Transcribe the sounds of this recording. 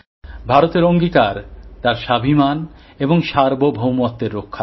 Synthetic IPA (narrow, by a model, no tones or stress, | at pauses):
bʱaɾot̪eɾoŋɡikaɾt̪aɾʃabʱiman | eboŋʃaɾbobʱowmɔt̪d̪eɾːokʰːa